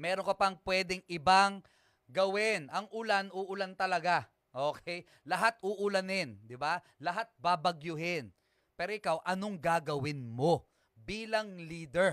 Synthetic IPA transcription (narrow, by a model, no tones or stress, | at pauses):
mɛːɾonkɐpɐŋpwɛd̪ɛŋʔɪbaŋ | ɡɐwɪnʔɐŋʔʊlanuːʔʊlant̪ɐlɐɡa | ʔoːkʰɛj | lɐɦat̪̚ʊʔʊlɐnɪnd̪ɪba | lɐɦat̪̚baːbɐɡjʊɦɪn | pɛːɾoʔɪkawʔɐnoŋɡaːɡɐwɪnmo | biːlɐŋliːd̪ɛɹ